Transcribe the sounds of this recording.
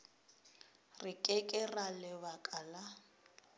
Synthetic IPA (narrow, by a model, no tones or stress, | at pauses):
rɪkʼɛkʼɛralɪbakʼala